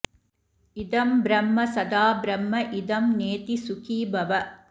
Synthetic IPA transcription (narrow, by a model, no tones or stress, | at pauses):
id̪ɐmbɾɐmːɐsɐd̪aːbɾɐmːɐʔid̪ɐmneːt̪isukʰiːbɐʋɐ